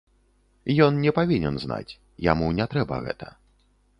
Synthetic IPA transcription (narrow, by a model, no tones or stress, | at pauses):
jɔnnʲɛpavʲinʲɛnzna̰t͡sʲ | ja̰munʲɛt̪ɾɛbɐ̰ɣɛ̰t̪ʰɐ